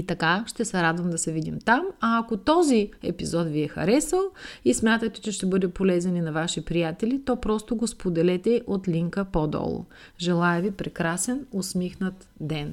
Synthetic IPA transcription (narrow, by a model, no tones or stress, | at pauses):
it̪ɐkaʃt̪ɛsɛɾad̪vɐmd̪ɐsɛvid̪imt̪amɐːkot̪ɔziɛ̰pizɔt̪viɛxɐ̰ɾɛsəlˠismʲjat̪ət̪ɛ̥t͡ʃɛʃt̪ɛbɤd̪ɛpolɛzɐninɐvaʃipɾijat̪ɛlit̪ɔpɾɔst̪oɡospod̪ɛlɛt̪ɛʔot̪lʲiŋkəpɔd̪ɔ̰lˠo̰ | ʒɛlˠajəvipɾɛkɾasɛnosmixnət̪ | d̪ɛn